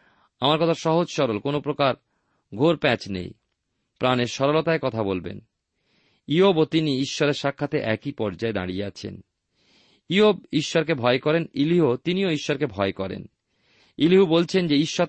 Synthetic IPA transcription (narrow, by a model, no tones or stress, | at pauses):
amaɾkɔt̪ʰaʃɔɦod͡ʑʃɔɾolkonopɾokaɾ | ɡʱoɾpɛt͡ɕnḛj | pɾaneɾʃɔɾolot̪aekɔt̪ʰabolbḛn | iobot̪iniiʃːɔɾeɾʃakʰːat̪eʔɛkipɔɾd͡ʑaed̪a̰ɽijeat͡ɕʰḛn | iob̚iʃːɔɾkebʱɔekɔɾeniliɦot̪inioiʃːɔɾkebʱɔekɔɾḛn | iliɦubolt͡ɕʰend͡ʑeiʃːɔ